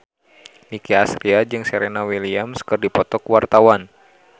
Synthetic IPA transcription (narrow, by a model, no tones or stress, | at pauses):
nikiasɾiad͡ʒɨŋsɛɾɛnawiliamskɨrdipɔt̪ɔkuwart̪awan